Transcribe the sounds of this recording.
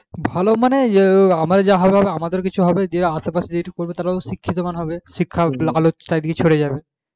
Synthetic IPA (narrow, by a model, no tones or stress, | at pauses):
bʱalomaneamaɾed͡ʑaɦɔbeɦɔbeamad̪eɾk̬it͡ɕʰuɦɔbed̪ieɾaaʃepasʰed͡ʑeʈikoɾbet̪aɾaoʃikʰːit̪omanɦɔbeʃikʰːalalot̪ajd̪iket͡ɕʰoɾed͡ʑabe